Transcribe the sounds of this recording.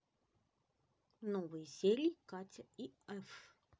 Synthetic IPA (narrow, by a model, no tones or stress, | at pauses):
novɨjəzʲelʲikatʲəiɛf